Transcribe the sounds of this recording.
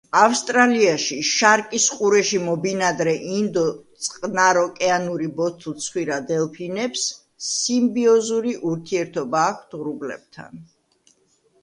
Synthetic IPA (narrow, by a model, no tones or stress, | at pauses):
afst̪ʼɾaliaʃiʃaɾkʼisqʼuɾɛʃimɔbinad̪ɾɛʔind̪ɔt̪sʼqʼnaɾɔkʼɛanuɾibɔt̪ʰut̪sʰχwiɾad̪ɛlˠpʰinɛpsː | imbiɔzuɾiʔuɾt̪ʰiɛɾt̪ʰɔbaːkʰd̪ʁɾublɛ̰b̥̚t̪ʰa̰n